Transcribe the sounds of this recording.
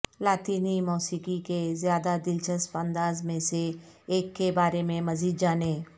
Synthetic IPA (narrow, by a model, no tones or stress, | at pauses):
laːt̪iːnimɔːsiːkikezjaːd̪ad̪ɪlt͡ʃəspə̃nd̪aːzmẽseː | kːebaːɾemẽmɐziːd̪d͡ʒaːneː